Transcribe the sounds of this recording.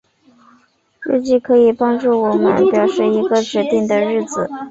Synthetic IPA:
ɻ̩˥˧t͡ɕi˥˩kʰɤ˧˥i˨˩pɑ˥ŋʈ͡ʂu˥˩wɔ˨˩mə̰˦npjɑ˨˩ʊʂɻ̩˥˩i˧˥ɡə˧ʈ͡ʂɻ̩˧˥t̪i˥˩ŋd̪ə˩ɻɻ̩˥˩d͡zɹ̩˨˩

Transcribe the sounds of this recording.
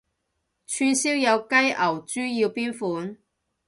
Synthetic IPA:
t͡ʃʰyː˧nsiː˥wjɐ˨˧wkɐ˥jʔɐ˨˩wt͡ʃyː˥ji˧wpiː˥nfuː˨˥n

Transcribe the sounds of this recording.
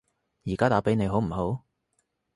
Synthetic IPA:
jiː˨˩kaː˦˥t̪aː˨˥pe˨˥jne˨˧jɦo˨˥wm̩˨˩ho˨˥w

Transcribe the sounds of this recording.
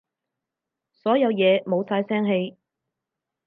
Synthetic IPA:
sɔː˨˥jɐ˨˧wjɛː˨˧mo˨˧wsaː˧jsɛː˥ŋɦe˧j

